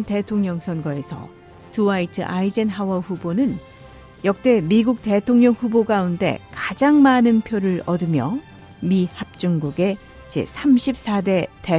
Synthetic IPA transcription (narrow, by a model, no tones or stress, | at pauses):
nte̞tʰoŋɲʌŋsʰʌnɡʌe̞sʰʌ̰ | tuaitʰɯ̰ʔaid͡ʑenɦawʌɸubonɯn | jʌk̚t͈e̞miɡuk̚te̞tʰoŋɲʌŋɸuboɡaunde̞̰kad͡ʑaŋmanɯnpʰjoɾɯɭʌdɯmjʌ̰ | mihap̚t͡ɕ͈uŋɡuɡe̞ | t͡ɕḛsʰamɕʰip̚s͈ʰade̞te